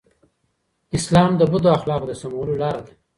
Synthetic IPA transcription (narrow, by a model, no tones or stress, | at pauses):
ɪslɑmd̪əbʊd̪oaxlɑqd̪əsamawəlolɑɾad̪ḁ